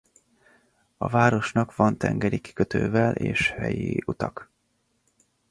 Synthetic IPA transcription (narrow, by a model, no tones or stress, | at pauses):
ɒ̰vaːɾo̞ʃnɒkʋvɒnt̪ɛŋɡɛɾiki̥køt̪øːvɛlʔḛːʃhɛjiut̪ɒk